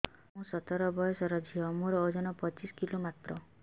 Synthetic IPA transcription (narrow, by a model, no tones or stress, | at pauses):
ɦũsɔt̪ɔɾɔbɔjɔsɔɾɔd͡ʒʱiɔmũɾɔod͡ʒɔnɔpɔt͡ʃiskilomat̪ɾɔ